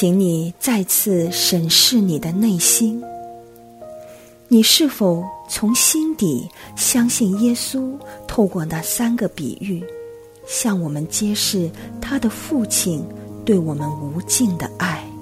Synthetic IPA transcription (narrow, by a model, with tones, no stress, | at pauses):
t͡ɕi˧˥ŋni˨˩t͡sa˥˧ɪt͡sʰɹ̩˥˧ʂə˨˩nʂɻ̩˥˩ni˨˩d̪ə˦ne˥˩ɪɕi˥n | ni˨˩ʂɻ̩˥˩fo˨˩ʊt͡sʰʊ˧˥ŋɕi˥nt̪i˨˩˦ɕjɑ˥ŋɕi˥˩ŋjɛ˥su˥t̪ʰo˥˧ʊkwɔ˥˧na˥˩sa˥nɡə˨pḭ˨˩y˥˩ | ɕjɑ˥˩ŋwɔ˨˩mə˦nt͡ɕjɛ˥ʂɻ̩˥˩t̪ʰa˥d̪ə˨fu˥˩t͡ɕʰi˨˩nt̪we˥˩ɪwɔ˨˩mə˦nu˧˥t͡ɕi˥˩ŋd̪ə̰˩a˥˩ɪ